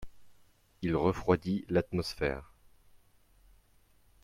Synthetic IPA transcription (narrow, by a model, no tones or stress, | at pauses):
ilʁəfχwad̪ilat̪mɔsfɛ̰ːʁ